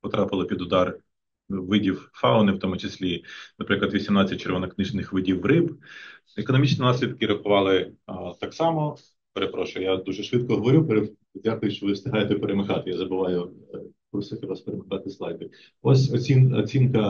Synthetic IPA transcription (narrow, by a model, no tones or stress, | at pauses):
pɔt̪ɾɑpɪlˠɐpʲid̪ʊd̪ɑr | ʋɪdʲiwfɑʊnɪwt̪ɔmʊt͡ʃɪsʲlʲinɐpɾɪklˠɐd̪ʋʲisʲimnɑt͡sʲːɐt̚ʲt͡ʃeɾʋɔnɔknɪʒnɪxʋɪdʲiwrɪb | ekɔnɔmʲit͡ʃninɑsʲlʲid̪kɪɾɐxʊʋɑlˠɪt̪ɑksɑmɔ | peɾepɾɔʃʊjʊjad̪uʒɛʃʋɪt̪̚kɔɦɔʋɔɾʲupeɾe | dʲakʊjʊʃt͡ʃɔʋɪwst̪ʲɪɦɑjet̪ɛpeɾemɐxɑt̪ɪjazɐbʊʋɑjʊ | kusɪxʲɪʋɑspeɾemɐxɑt̪ɪslˠɑjbɪ | ɔsʲɔinɔ̰t͡sʲinkɐ